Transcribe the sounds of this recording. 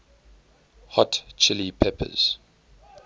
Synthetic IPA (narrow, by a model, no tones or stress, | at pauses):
hɔtt͡ʃʰɪlipʰɛpʰə̰z̥